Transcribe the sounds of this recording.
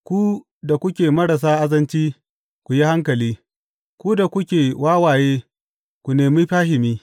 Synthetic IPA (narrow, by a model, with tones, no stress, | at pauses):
kʷu˦ | da˨kʷʊ˦kʲeː˨mɐ˦ɾa˨s̬aː˦ʔa˦zɐ˦nt͡ʃiː˦ | kʷu˨ji˦ha˦ŋkɐ˨liː˦ | kʷu˦da˨kʷʊ˦kʲeː˨wʔaː˦waː˨jeː˦ | kʷu˨neː˨miː˦ɸaː˦ɦɪ˨miː˦